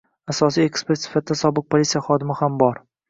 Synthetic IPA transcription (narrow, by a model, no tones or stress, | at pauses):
asɒsije̞kspeɾt̪sɪ̥fat̪̚d̪asɒbɨq̚pʰolʲit̪sijaχɒd̪ɪmɪhambɒɾ